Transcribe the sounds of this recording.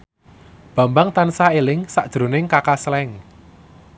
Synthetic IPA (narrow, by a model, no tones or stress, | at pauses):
b̥ä̤mbaŋt̪ansaelɪŋsaʔʒ̥ɾo̤nɪŋkakaslɛŋ